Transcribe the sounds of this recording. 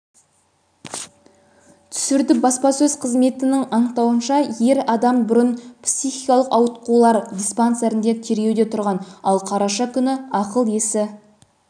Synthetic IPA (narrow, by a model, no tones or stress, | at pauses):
t̪ʰʏ̥sɪɾd̪ɪbɑspɑsɵzqʰəzme̞t̪ɪnɪŋɑnəq̚t̪ɑwənʃɑje̞ɾɑd̪ɑmbʊɾənpsʲijχijkɑlˠəqɑwət̪qulˠɑɾd̪ʲispant̪seɾɪnd̪e̞t̪ʰe̞ɾɡʲewd̪e̞t̪ʰʊɾʁɑnɑlˠqʰɑɾɑʃɑkʲʰʏnɪɑqəlˠjesɪ